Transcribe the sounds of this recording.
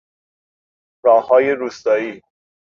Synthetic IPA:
ɾɒːhɒːjeɾuːst̪ɒːiː

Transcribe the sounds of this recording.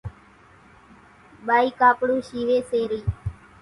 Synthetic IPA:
ɓaːiːkaːpɽuːʃiːʋeːseːɾiː

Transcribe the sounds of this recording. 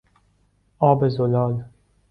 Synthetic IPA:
ɒːbezolɒːl

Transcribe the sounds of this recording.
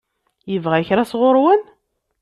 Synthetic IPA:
jəvʁæçɾasʁoɾwən

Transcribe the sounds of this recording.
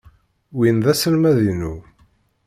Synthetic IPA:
winðæsəlmæðinu

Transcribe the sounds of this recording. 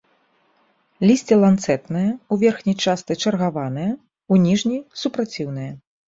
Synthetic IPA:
lʲisʲt͡sʲɛlˠant̪sɛt̪nɨjɐuvʲɛrxnʲɐjt͡ʂast̪ɨt͡ʂɐrɣavanɨjɐ | unʲiʐnʲijsupɾat͡sʲiwn̪ɨjɐ

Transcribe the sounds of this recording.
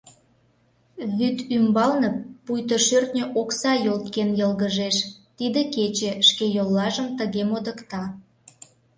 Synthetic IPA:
βyt̪ymbɑlnə̆pːujt̪əʃørt̪nʲəʔoksɑjolt̪kenjəlɣəʒeʃ | t̪id̪eket͡ɕeʃkejolːɑʒəmt̪əɣemod̪əkt̪ɑ

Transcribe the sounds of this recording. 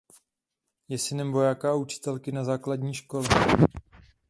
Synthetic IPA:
jɛsɪnɛmvo̞jaːkaaut͡ʃɪ̥t̪ɛlkɪnazaːkladɲiːʃko̞lɛ

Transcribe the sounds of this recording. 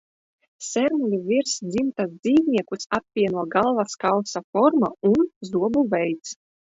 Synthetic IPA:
sɛɾmulʲuvʲiɾsd̪zimt̪asd̪ziːvniɛkusap̚vʲiɛnuɔɡalˠvaskawsafɔɾmaunzuɔbuvɛjt̪s

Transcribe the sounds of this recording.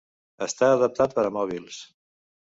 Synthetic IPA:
əst̪aːðəp̚t̪at̪̚pəɾəmɔβ̞ilˠs

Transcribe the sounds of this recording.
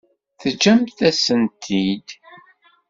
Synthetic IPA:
θəd͡ʒæmθæsənt̪ʰid̪

